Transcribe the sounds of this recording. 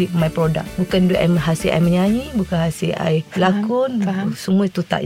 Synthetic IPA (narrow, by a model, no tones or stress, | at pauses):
liʔmajpɾoda̰k̚bukandeʔɛmɦasiʔa̰jməɲaɲĩbukanhasiʔa̰jblakʊnsumũait̪ut̪a̰ʔ